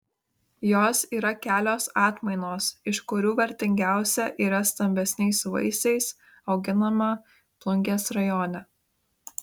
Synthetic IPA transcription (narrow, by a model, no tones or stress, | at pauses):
joːsiːɾɐkʲæːlʲoːsɑːt̪mɐɪnoːsɪʃkʊɾʲuːʋʲɛɾʲt̪ʲɪŋʲɡʲæˑʊsʲɛʔiːɾɐst̪ɐmʲbʲɛsʲnʲɛɪsʋɐ̰ɪsɛɪs | ɒʊɡʲɪnɐmɐ | plˠʊŋʲɡʲeːsɾɐjɔːnʲɛ